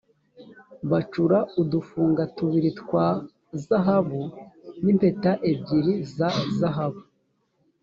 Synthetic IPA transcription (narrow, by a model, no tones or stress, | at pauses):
βat͡ʃuɾaudufuːŋɡatuβiɾitkwa | zaɦaβunimpe̞taʔebɟiɾizazaɦaβu